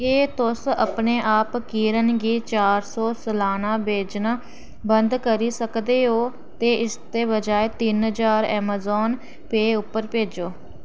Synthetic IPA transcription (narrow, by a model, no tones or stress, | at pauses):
eːt̪ʊsə̰pneːʔaːpkiːɾənɡiːt͡ʃaːɾsɔːsəlaːnãːbeːd͡ʒnaː | bənd̪kəɾiːsəkd̪eːɦoː | t̪eːʔɪst̪eːbəd͡ʒaːeːt̪ɪnɦəd͡ʒaːɾɛ̰ːmaːzɔːn | peːʊpːəɾpeːd͡ʒoː